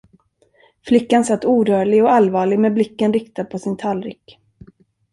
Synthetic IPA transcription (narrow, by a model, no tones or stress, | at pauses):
flɪkːansat̪ːuːɾœːɭɪɡɔalvɑːɭɪɡmɛblɪkːənɾɪkt̪ad̪̚pʰɔsɪnt̪ʰalɾɪkː